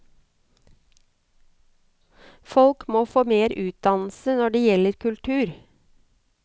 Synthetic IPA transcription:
fɔlkmoːfoːmeːɾʉːt̪̚d̪ɑnl̩sənɔɖeːjɛləɾkʰʉlt̪ʰʉːɾ

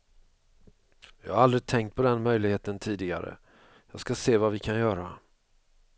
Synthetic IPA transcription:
vɪhaɾald̪ɾɪt̪ʰɛŋkt̪̚pʰɔd̪ɛnmœjlɪɡheːt̪ənt̪ʰiːd̪ɪɡa̰ɾə̰ | jɑːɡskaseːvavɪkʰanjœːɾa

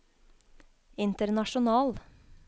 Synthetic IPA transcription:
ɪnt̪əɾnɑʃʊnɑːl

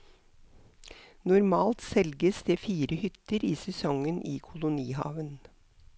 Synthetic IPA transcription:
nʊɾmɑːlt̪sɛlɡəsd̪eːfiːɾəhʏt̪ːəɾiːsɛsɔŋənʔiːkʰʊlʊniːhɑ̰ːʋən

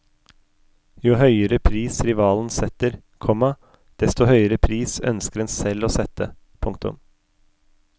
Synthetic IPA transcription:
juɦœʏəɾəpʰɾiːsɾɪʋɑːln̩sɛt̪əɾ | kʰɔmɑ | d̪̥ɛst̪ɔhœʏəɾəpʰɾiːsœ̰nskəɾɛnsɛloːsɛt̪ə | pʰʊŋk̚t̪ʊ̰m

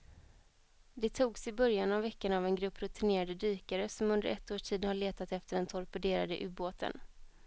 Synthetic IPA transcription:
d̪ɛt̪ʰuːɡsɪbœɾjanavːɛkːənavɛnɡɾɵpːɾʊt̪ʰɪneːɾad̪əd̪yːkaɾəsɔmɵnd̪əɾʔɛt̪ːoːʂʈʰiːd̪haɭeːt̪at̪ɛft̪əɖɛnt̪ʰɔɾpɛd̪eːɾa̰d̪ə̰ʔʉ̟ːboːt̪ʰə̰n

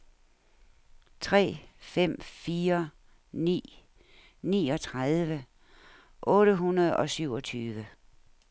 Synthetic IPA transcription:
t͡sʰʁɛ̰ːfem̰fiːɐ | nḭː | nḭːɒ̽t͡sʰʁað̞ˠʋə | ʔɔ̽ːɾəɦunɐð̞ˠɒ̽syʊ̰ɒ̽t͡sʰyːʋə

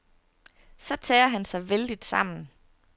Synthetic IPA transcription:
sɒ̽t͡sʰɛːɐɦænsɑ̈ɪʋeld̥id̥sɑ̈m̰n̩

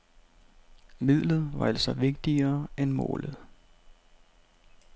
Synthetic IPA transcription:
mið̰ˠlð̞̩ˠʋɑ̈æl̰sɒʋe̝ɡ̥̚d̥iɐːenmɔ̰ːləð̞̩ˠ

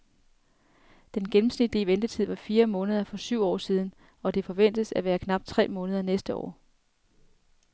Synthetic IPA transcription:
d̥enɡ̥enm̩snid̥iʋend̥ət͡sʰið̰ˠʋɑ̈fiːɐmɔ̽ːnəð̞ˠɐfɒ̽syʊ̰ɒ̰ːsiːð̞ˠn̩ | ɒ̽d̥e̝fɒ̽ʋen̰d̥əðsæʋæːɐkʰnɑ̈b̥̚d̥̚t͡sʰʁɛ̰ːmɔ̽ːnəð̞ˠɐnesd̥əɒ̰ː

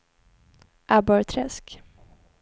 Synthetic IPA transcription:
ʔabœɾt̪ʰɾɛsk

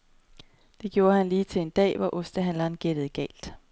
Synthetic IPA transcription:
d̥e̝ɡ̥jo̝ːɐɦænliːt͡sʰe̝le̝nd̥ɛ̰ːʋɒʔosd̥əɦænlɑnɡ̥ed̥ð̞̩ˠɡ̥ɛ̰ːld̥

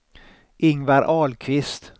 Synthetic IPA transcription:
ʔɪŋvaɾʔɑːlkʰvɪst̪

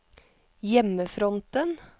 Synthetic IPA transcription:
jɛməfɾɔnt̪ən

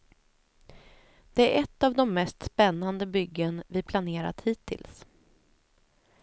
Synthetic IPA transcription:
d̪̥ɛæɾʔɛt̪ːavd̪ɔmːɛst̪spɛnːand̪əbʏɡːənvɪpʰlaneːɾa̰t̪hiːt̪ʰːɪ̰ls

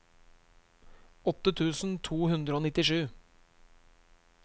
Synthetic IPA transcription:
ɔt̪ət̪ʰʉːsn̩t̪ʰuːhʉnd̪ɾəoːnɪt̪ɪʂʉː

